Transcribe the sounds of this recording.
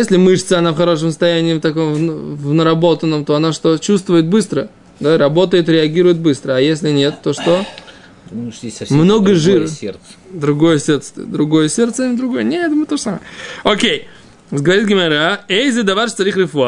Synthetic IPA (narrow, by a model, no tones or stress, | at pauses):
esʲlʲɪmɨʂɨt̪səɐnafxɐɾo̞ʂ̬əmsə̥st̪ɐjænʲɪːft̪ɐko̞mvnvnəɾɐbo̞t̪ənːəmt̪o̞ɐnaʂt̪o̞t͡ɕust̪vʊjɪt̪̚bɨst̪ɾə | d̪aɾɐbo̞t̪əjɪt̪ɾʲɪɐɡʲiɾʊjɪt̪̚bɨst̪ɾəɐjesʲlʲɪnʲe̞t̪ːo̞ʂt̪o̞ | ʂʲesʲmno̞ɡəʐɨɾsʲert̪sd̪ɾʊɡo̞jəsʲe̞ɾt̪sə̥t̪d̪ɾʊɡo̞jəsʲe̞rt̪sənʲɪd̪ɾʊɡo̞jənʲeɛt̪mɨt̪oʐəsaməjəokʲej | ɡəvɐɾʲit̪̚ɡʲɪmaɾaejzʲɨd̪ɐvaɾʂt̪ɐɾʲixɾʲɪfʊa